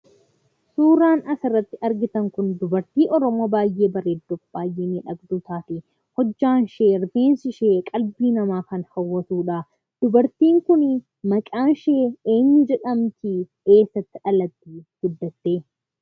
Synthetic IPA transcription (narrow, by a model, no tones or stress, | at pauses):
suːɾaːnɐsɪrːɐt̪ːɪʔɐɾɡɪt̪ɐŋkʊnd̪ʊbɐɾt̪iːʔɔɾɔmoːbaːjːʔeːbɐɾeːd̪ːɔfb̥aːjːeːniːᶑɐɡd̪ʊt̪aːt̪ɪ | hɔd͡ʒːaːnʃeːɾfeːnsɪʃeːkʼɐlbiːnɐmaːkɐnhɐwːɐt̪uːᶑɐ | d̪̥ʊbɐɾt̪iːŋkʊn | mɐkʼaːnʃeːeːɲːʊd͡ʒɛᶑɐmt̪ɪ | eːsːɐt̪ːɪᶑɐlɐt̪ːiːɡ̥ʊd̪ːɐt̪ːeː